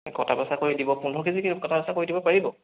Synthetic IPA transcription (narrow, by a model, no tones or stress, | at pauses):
kɔ̰tʰabasakoɹidibɔpunɔkizikikɔtabasakoɹidibɔpaɹibɔ